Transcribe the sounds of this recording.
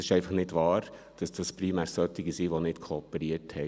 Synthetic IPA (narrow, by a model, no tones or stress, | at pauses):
sɪ̥ʃɛɪfɑχnɪdʋɑːɾ | d̥ɑsd̥ɑspɾimæːɾsœt̪ːiɡisiʋonɪtkʰoːpəɾiəthɛ